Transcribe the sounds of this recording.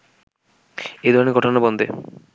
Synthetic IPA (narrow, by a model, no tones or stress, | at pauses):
ejd̪ʱɔɾoneɾɡʱɔʈʰonabɔnd̪e